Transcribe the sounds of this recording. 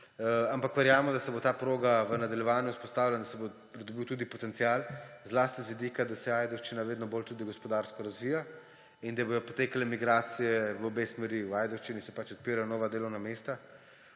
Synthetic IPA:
ampakʋɛɾjaːmɔd̪asɛbot̪aːpɾoːɡaʋənad̪ɐljɛʋaːnjuspɔst̪aːwlʲanad̪asɛbopɾid̪ɔbiwt̪uːd̪ipɔt̪ɛnsijaːlzlaːst̪izʋid̪iːkad̪asɛajd̪ɔwʃt͡ʃinaʋeːd̪nɔbolt̪uːd̪iɡɔspɔd̪aɾskɔɾazʋija | ind̪abojɔpot̪eːkalɛmiɡɾaːt̪sijɛʋəobesmɛɾiwaːjd̪ɔwʃt͡ʃinisɛpat͡ʃɔt̪̚piːɾanɔːʋad̪eːlɔwnameːst̪a

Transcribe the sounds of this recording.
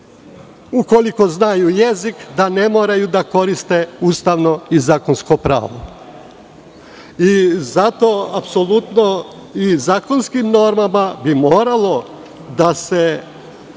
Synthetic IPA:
ukoliko̞znajujezikd̪ane̞mo̞ːɾajud̪ako̞ɾist̪e̞uːst̪aʋno̞izaːkonskopɾa̰ːʋo̰ | izat̪o̞apso̞lut̪no̞ | izaːko̞nskimno̞ɾmamabimo̞ːɾalˠo̞ | d̪ase

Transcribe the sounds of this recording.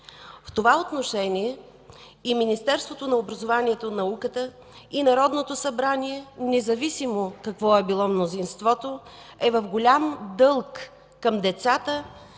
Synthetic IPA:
ft̪ovaot̪noʃɛnʲiɛ | iminist̪ɛɾst̪vot̪onɐobɾɐzovanʲiɛt̪onɐukət̪ə | inɐɾɔd̪not̪osɐbɾanʲiɛnɛzɐvisimokɐkvɔɛbilˠɔmnozinst̪vɔt̪o | ɛvəfɡolʲamd̪ɤlˠkː | əmd̪ɛt̪sat̪ə

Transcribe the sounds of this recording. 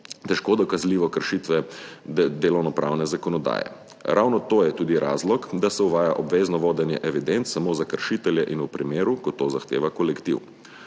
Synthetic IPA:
t̪ɛʃkoːd̪ɔkazliːʋɔkəɾʃit̪ʋɛ | d̪eːlɔwnɔpɾa̰wnɛzakɔnɔd̪a̰ːjɛ̰ | ɾʔawnɔt̪oːjɛt̪uːd̪iɾʔa̰ːzlɔkd̪asɛuʋaːjaʔɔbʋeːznɔʋoːd̪ɛnjɛʔɛʋid̪ent̪ssamoːzakəɾʃit̪ɛljɛʔinupɾimeːɾukɔt̪oːzaxt̪ḛːʋakɔlɛkt̪iw

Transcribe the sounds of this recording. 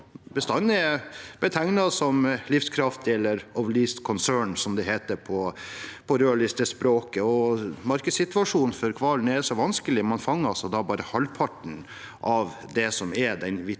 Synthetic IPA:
bəst̪ɑnːɛb̥ɛt̪ʰɛŋnɑsɔmlɪfskʰɾɑft̪ɛlːəɾɔʋlist̪kʰɔnsøːɳsɔmd̪ɛɦeːt̪əɾpʰɔpʰɔɾøːɭɪst̪əspɾoːkəɔmɑɾkəsɪt̪ʋɑʂuːnfɔɾkʰʋɑːln̩ɛdsɔʋɑnskəlɪmɑnfɑŋːəɑsɔd̪ɑbɑːɾəhɑlpʰɑʈɳ̩ | ʔɑʋ | d̪ɛsɔmɛd̪ɛnʋɪ

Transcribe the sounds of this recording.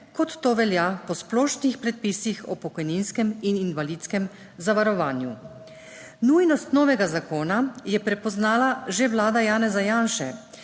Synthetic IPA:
kɔt̪ːoːʋɛljapɔsplɔːʃnixpɾɛt̪̚piːsixɔpɔkɔjninskɛmininʋaliːt̪skɛm | zaʋaɾɔʋaːnju | nujnɔst̪nɔːʋɛɡazakoːnajɛpɾɛpɔznaːlaʒɛʋlaːd̪ajaːnɛzajaːnʃɛ̰

